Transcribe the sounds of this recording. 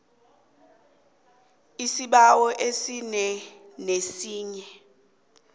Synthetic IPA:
isiɓawɔʔesinɛnesiːɲɛ

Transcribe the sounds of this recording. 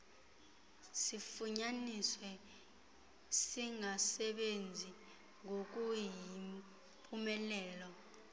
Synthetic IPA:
sifuɲaniswɛ | siŋasɛɓend͡zʱi | ŋok̬ʼuji | pʰʼumɛlɛːlɔ

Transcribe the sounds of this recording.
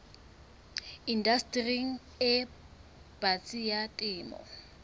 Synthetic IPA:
indastʼriŋ̩ | ɪ | b̥at͡sʼijatʼɪːmɔ̰

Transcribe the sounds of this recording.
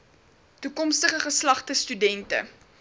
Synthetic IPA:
tukɔmstəχəχəslɐχtəstydɛntə̰

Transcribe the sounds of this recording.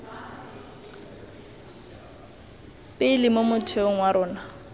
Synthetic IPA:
pʼɪlɪmomʊtʰeʊŋ̩waɾʊːna

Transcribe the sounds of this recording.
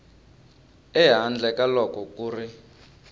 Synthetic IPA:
ɛɦand͡ɮɛkalɔkɔkuːri

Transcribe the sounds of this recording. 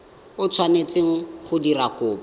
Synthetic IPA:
ʊt͡sʰwanet͡seŋ̩χʊdirakʊːba

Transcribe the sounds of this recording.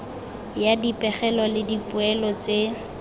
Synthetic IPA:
jadipʼɛχɛlɔlɪdipʼʊɛlɔt͡sʼe

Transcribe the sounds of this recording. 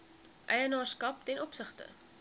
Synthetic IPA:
ʔɛjənɑːrskɐp̚tɛnɔpsəχtə̰

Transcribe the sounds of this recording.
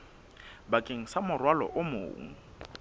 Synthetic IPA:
bakʼeŋ̩samʊrwalɔ̰ʔʊmʊ̰ːŋ̩

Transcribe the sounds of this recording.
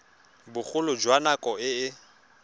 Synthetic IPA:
bʊk͡xʰʊlʊd͡ʒwanakʼɔɪɪ

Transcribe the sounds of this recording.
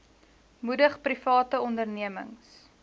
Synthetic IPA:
mudəχprifɑːtəɔndərniəmə̰ŋs

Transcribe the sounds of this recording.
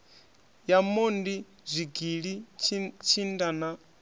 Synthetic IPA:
jamondi | zʷiɡiɺit͡ʃʰindana

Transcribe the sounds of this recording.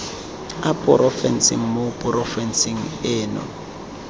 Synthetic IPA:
apʼɔ̰ɾʔɔfɛn̩sḭŋ̩mopʼɔrɔfɛnsiŋ̩ɛːnɔ̰

